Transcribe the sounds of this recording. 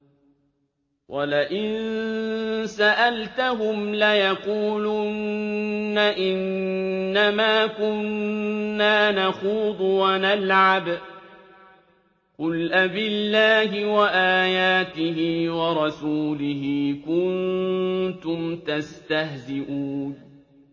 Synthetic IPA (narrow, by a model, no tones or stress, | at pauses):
wʔalaʔɪnn | saʔalt̪aɦʊmlajaquːlunː | aʔɪnː | amaːkʊnː | aːnaxuːd̪ˤʊwanalʕab | qʊlʔabɪlːaːɦɪwaʔaːjaːt̪ɪɦɪːwɑɾˤɑsuːlɪɦɪːkʊn | t̪ʊmt̪ast̪ahzɪʔuːn